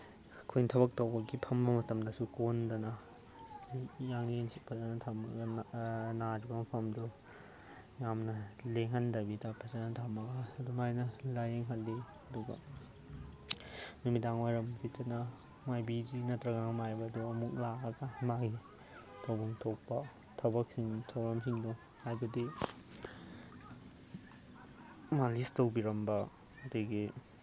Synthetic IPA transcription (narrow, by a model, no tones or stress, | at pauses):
kʰojntʰɐbɐk̚tɐwbɐɡipʰɐmbɐmɐtɐmdɐsukondɐnɐ | jaŋensʰipʰɐdɐnɐtʰamɐɡɐnad͡ʒibɐmɐpʰɐmdu | jamnɐleŋɦandɐbidɐpʰɐsanɐtʰamɐɡɐːdumajnɐlajeŋɦɐlːi | ɐduɡɐ̰ | numitaŋwajɾɐmsitɐnɐ | majbid͡ʒinɐtɾɐɡaŋmajbɐːduɐmuk̚laɐɡɐmaɡi | tʰɐwbuŋtʰok̚pɐ | tʰɐbɐksiŋtʰɐwɾɐmsiŋdu | hajbɐdi | malistɐwbiɾɐmbɐ | ɐdejɡi